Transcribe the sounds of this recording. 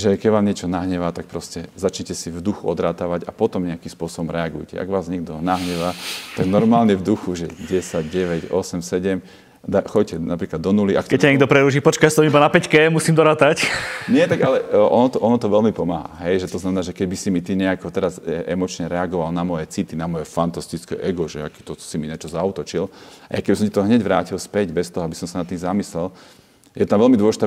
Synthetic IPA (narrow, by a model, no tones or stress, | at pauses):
ʒɛkɛɟʋaːmɲɪɛt͡ʃɔnaɦɲɛʋaːt̪ak̚pɾɔscɛzat͡ʃɲɛcɛsivd̪uxuɔd̪ɾaːt̪aʋaɟa̰pɔt̪ɔmɲɛakimspʊɔsɔbɔmɾɛaɡujcɛ̰ʔa̰ɡʋaːzɲɛɡd̪ɔnaɦɲɛʋaːt̪aɡnɔɾmaːlɲɛvd̪uxuʒɛɟɛsaɟɟɛʋɛɟɔsɛmsɛɟɛm | d̪axɔccɛnapɾiːklad̪ːɔnuliʔa̰kkɛccːaɲɛɡd̪ɔpɾɛɾuːʒiːpɔt͡ʃkajst̪ɔmibanapɛckɛmusiːmd̪ɔɾaːt̪acɲɪɛt̪aɡalɛʔɔnɔt̪ɔʔɔnɔt̪ɔʋɛlmipɔmaːɦa̰ɦɛjʒɛt̪ɔznamɛnaːʒɛkɛɟbisimit̪iɲɛakɔt̪ɛɾazʔɛmɔt͡ʃɲɛɾɛaɡɔʋalnamɔjɛt͡sit̪inamɔjɛfant̪ast̪it͡skɛ̰ʔɛɡɔʒɛa̰kɛt̪ɔsimiɲat͡ʃɔzaut̪ɔt͡ʃilaja̰kɛɟbisɔmcɛt̪ɔɦɲɛɟʋɾa̰ːcilspɛɟbɛst̪ɔɦɔabisɔmsanat̪ːiːmzamislɛl | jɛt̪amʋɛlmid̪wɔlɛʒit̪a